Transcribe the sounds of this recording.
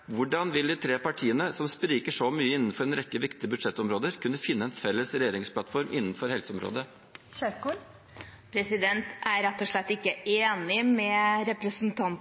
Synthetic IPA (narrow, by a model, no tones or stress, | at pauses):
ʋʊɖɑnʋɪld̪it̪ʰɾeːpɑʈʰiːənəsɔmspɾiːkəʂɔmyːəɪnːn̩fɔɾɛnɾɛkːəʋɪkt̪ɪəbʉd̪ʂɛt̪ːɔmɾoːd̪əɾkʰʉnːəfɪnːəɛnfɛlːəsɾɛjeːɾɪŋspʰlɑt̪fɔɾmʔɪnːn̩fɔɾhɛlsəɔmɾo̰ːd̪ə | ɕøku | pʰɾɛsɪd̪ɛnt̪æɾɛt̪ːɔʂɭɛt̪ːɪkːəeːnɪmɛɾɛpɾəsnt̪ʰɑn